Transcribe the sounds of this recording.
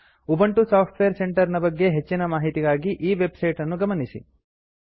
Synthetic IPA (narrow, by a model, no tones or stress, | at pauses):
ubɐɳʈusaːpʰʈʋejɐɾse̞ɳʈɐɾnɐbɐɡːe̞ɦet͡ʃːinɐmaːɦit̪iɡaːɡiʔiːʋe̞bsɐjʈɐnːuɡɐmɐnisḭ